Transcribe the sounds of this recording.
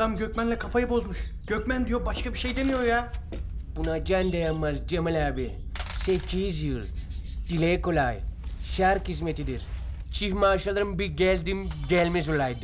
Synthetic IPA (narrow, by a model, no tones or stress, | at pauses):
d̪amɟøc̚ʲmænlʲɛkʰafajɯbo̞zmuʃ | ɟ̥øcmænd̪ijobaʃkabiʃejd̪emijo̞ɾja | b̥unad͡ʒand̪ajamːazd͡ʒemalʲaːbi | secʲʰizjɯlˠ | d̪̥ilekolajʃaɾkizmet̪id̪iɾ | t͡ʃʰifmaːʃalˠaɾɯmbiɡɛlʲd̪imɟʲɛlʲmizulajd̪ɯ